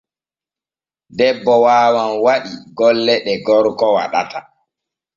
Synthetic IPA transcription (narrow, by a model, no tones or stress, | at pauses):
dɛbːɔwaːwanwaɗiɡɔlːɛɗɛɡɔɾkɔwa̰ɗata